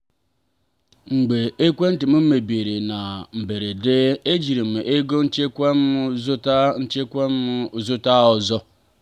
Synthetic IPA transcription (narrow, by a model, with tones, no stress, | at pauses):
ŋ͡m̩˨ɡ͡be˨e˦kʷe˦n̩˦tɪ˨m̩˦m̩˦me˨bi˨ɾe˨na˨m̩˨be˨ɾe˨dɪ˦e˦d͡ʒi˨ɾi˨m˨ʔe˦ɡo˦n̩˦t͡ʃe˦kʷm˦zʊ˦tn̩˦t͡ʃe˦kʷe˦m̩˦ʊ˦zʊ˦ta˦ɔ˨zɔ˦